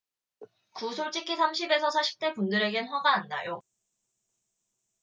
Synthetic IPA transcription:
kusʰoɭt͡ɕ͈ikʰisʰamɕʰibe̞sʰʌsʰaɕʰi̥p̚t͈e̞pundɯɾe̞ɡenɸwaɡaːnːa̰jo

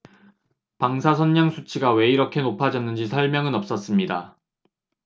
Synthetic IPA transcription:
paŋsʰasʰʌnːaŋsʰut͡ɕʰiɡawe̞iɾʌkʰe̞nopʰad͡ʑʌnːɯnd͡ʑisʰʌɭmjʌŋɯnʌp̚s͈ʌs͈ɯmɲida

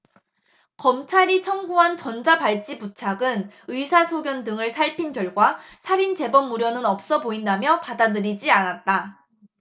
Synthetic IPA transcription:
kʌmt͡ɕʰaɾit͡ɕʰʌŋɡuɦant͡ɕʌnd͡ʑapaɭt͡ɕ͈ibut͡ɕʰaɡɯnɯsʰasʰoɡjʌndɯŋɯɭsʰaɭpʰinɡjʌɭɡwasʰaɾint͡ɕe̞bʌmuɾjʌnɯnʌp̚s͈ʌboindamjʌpadadɯɾid͡ʑianat̚t͈a

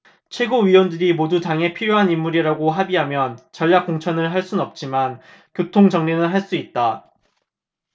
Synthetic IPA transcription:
t͡ɕʰwe̞ɡoɥiwʌndɯɾimodutaŋe̞pʰiɾjoɦanimːuɾiɾaɡoɦabiɦamjʌnt͡ɕʌʎːak͈̚oŋt͡ɕʰʌnɯɭɦaɭs͈unʌp̚t͡ɕ͈iman | kjotʰoŋd͡ʑʌŋɲenɯnɦaɭs͈uit̚t͈a

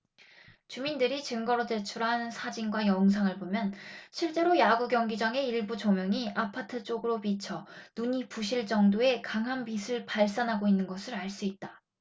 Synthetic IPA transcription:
t͡ɕumindɯɾit͡ɕɯŋɡʌɾote̞t͡ɕʰuɾɦansʰad͡ʑinɡwajʌŋs̬ʰaŋɯɭbomjʌnɕʰiɭt͡ɕ͈e̞ɾojaɡuɡjʌŋɡid͡ʑaŋe̞iɭbud͡ʑomjʌŋiʔapʰatʰɯt͡ɕ͈oɡɯɾopit͡ɕʰʌnuɲipuɕʰiɭt͡ɕ͈ʌŋdoe̞kaŋɦambisʰɯɭpaɭs͈anɦaɡoinːɯnɡʌsʰɯɾaɭs͈uit̚t͈ḁ

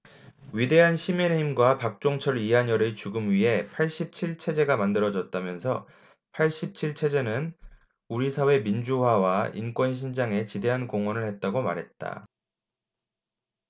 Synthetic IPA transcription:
ɥide̞ɦanɕʰimiɾeimɡwapak̚t͡ɕ͈oŋt͡ɕʰʌɾiɦaɲʌɾɯt͡ɕuɡɯmɥiɦe̞pʰaɭɕ͈ip̚t͡ɕʰiɭt͡ɕʰe̞d͡ʑe̞ɡamandɯɾʌd͡ʑʌt̚t͈amjʌnsʰʌ | pʰaɭɕ͈ip̚t͡ɕʰiɭt͡ɕʰe̞d͡ʑe̞nɯn | uɾisʰawe̞mind͡ʑuhwawaḭnk͈wʌnɕ̬ʰind͡ʑaŋe̞t͡ɕide̞ɦankoŋwʌnɯɭhe̞t̚t͈aɡoma̰ɾɦe̞t̚t͈a̰

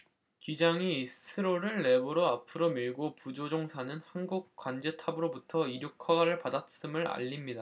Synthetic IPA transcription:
kid͡ʑaŋisʰɯɾoɾɯɭːe̞bɯɾoapʰɯɾomiɭɡopud͡ʑod͡ʑoŋsʰanɯnhanɡuk̚kwand͡ʑe̞tʰabɯɾobutʰʌiɾjokʰaɡaɾɯɭpadas͈ɯmɯɾa̰ʎːimɲida

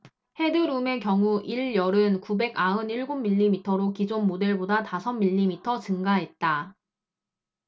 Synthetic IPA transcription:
he̞dɯɾume̞kjʌŋuʔiɭjʌɾɯnkube̞ɡaɯniɭɡomːiʎːimitʰʌɾokid͡ʑonmode̞ɭbodatasʰʌnːiʎːimitʰʌt͡ɕɯŋɡaɦe̞t̚t͈a

